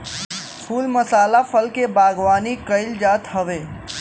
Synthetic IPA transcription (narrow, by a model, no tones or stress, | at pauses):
kʰuːlməsaːlapʰəlkebaːɡʋaːnikəɪld͡ʒaːt̪ɦəʋeː